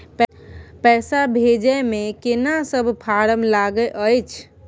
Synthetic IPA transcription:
p | pɛsabʱed͡ʒəmekenasəbʱpʰaɾəmlaɡəʔəjt͡ʃʰ

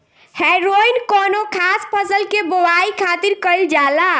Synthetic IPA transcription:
hɛjɾoinkɔnokʰaspʰəsəlkebowaikʰat̪iɾkəld͡ʒala

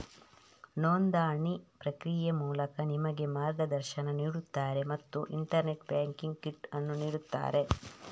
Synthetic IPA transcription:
noːnd̪aːɳipɾɐkɾijɐmuːlɐkɐnimɐɡe̞maːɾɡɐd̪ɐɾʃɐnɐniːɽut̪ːaːɾe̞mɐt̪ːuʔḭɳʈɐɾne̞ʈbaːŋkiŋɡ̚kiʈɐnːuniːɽut̪ːa̰ːɾe̞

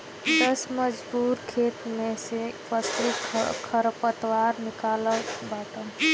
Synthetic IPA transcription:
d̪əsməd͡ʒbuɾkʰet̪mesepəsɾikʰəɾpət̪waɾnikaləlbat̪əm

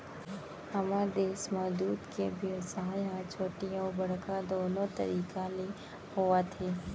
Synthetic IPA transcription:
həmaːɾd̪eːsmaːd̪uːd̪kebʱəʋsaːjãt͡ʃʰoːʈijãbəɽ̤kad̪oːnõt̪ə̰ɾiːkale | ɦoːʋat̪ʰeː

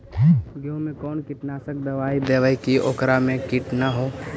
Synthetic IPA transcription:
ɡʱjõmẽkɔːnkɪʈnasək̚d̪ɐʋaːid̪eʋaikiʔoːkɾamẽkɪʈnaɦoː

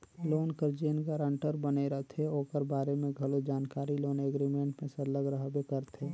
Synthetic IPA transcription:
loːnkəɾd͡ʒeːnɡaɾə̃ɳʈəɾbəneɾəɦt̪ʰeoːkəɾbaːɾemẽɡʱɐlod͡ʒaːnkaːɾiloːneɡɾimẽːɳʈmẽsəɾləɡɾəɦbekəɾt̪ʰeː

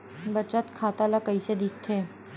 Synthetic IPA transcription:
bɐt͡ʃət̪kʰaːt̪alakɐised̪ʱiːk̚ʰt̪ʰeː

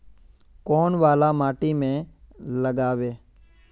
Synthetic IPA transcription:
kɔːnʋaːlamaːʈimẽləɡaːʋeː

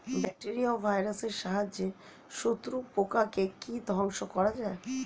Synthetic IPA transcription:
bɛk̚ʈeɾiobʱajɾaseɾʃaɦad͡ʑe | ʃot̪ːɾupokakekid̪ʱɔŋʃokɔɾad͡ʑae

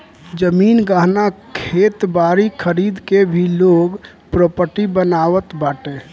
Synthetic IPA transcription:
d͡ʒəmiːnɡaɦnakʰet̪baɾikʰəɾid̪kebʱiloɡ | pɾopəʈibənaːwət̪baːʈe

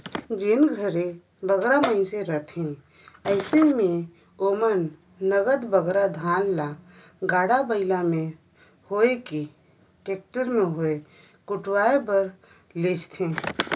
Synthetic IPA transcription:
d͡ʒɪnɡʱəɾẽ | bəɡɾaməɪnseɾət̪ʰẽ | əɪsemẽ | omənː | əɡəd̪bəɡɾad̪ʱãːnla | ɡaːɽabəɪlamẽ | hoːeki | ʈeːk̚ʈəɾmẽɦoe | kʊʈwaːebəɾ | leːd͡ʒt̪ʰẽː

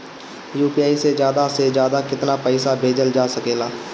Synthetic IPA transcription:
juːpijaːised͡ʒjaːd̪ased͡ʒjaːd̪akɪt̪napəɪsabʱeːd͡ʒəld͡ʒaːsɐkeːlaː

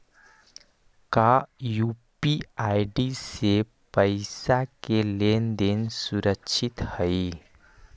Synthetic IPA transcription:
kajuːpiaːɪɖise | pəɪsakelend̪ensuɾəkʃʰɪt̪həi

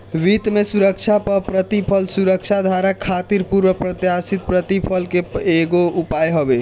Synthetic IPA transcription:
ʋit̪mesuɾəkt͡ʃʰapəpɾət̪ipʰəlsuɾəkt͡ʃʰad̪ʱaɾakʰːat̪iɾpuɾwəpɾət̪jasit̪̚pɾət̪ipʰəlkeeɡoupajɦəbe

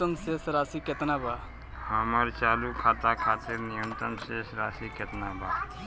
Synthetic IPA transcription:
ənsesɾasiket̪naba | həməɾt͡ʃalukʰat̪akʰat̪iɾnijənt̪ənsesɾasiket̪naba

